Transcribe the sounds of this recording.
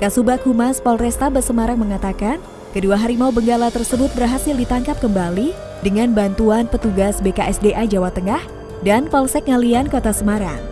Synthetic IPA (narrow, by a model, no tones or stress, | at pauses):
kasubakhumaspɔlrɛst̪abəsəmaɾaŋməŋat̪akan | kəduaɦaɾimaubəŋɡalat̪ərsəbʊt̪̚bərɦasɪldit̪aŋkap̚kəmbali | dəŋanbant̪uanpət̪uɡasbekaʔɛsdeʔad͡ʒawat̪əŋah | danfɔlsɛk̚ŋaliankot̪asəmaɾa